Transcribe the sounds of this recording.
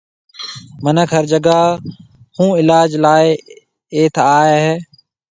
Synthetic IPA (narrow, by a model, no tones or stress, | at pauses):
mənəkʰɦəɾd͡ʒəɡaː | hũːɪlaːd͡ʒlaːe | eːt̪ʰaːeɦɛː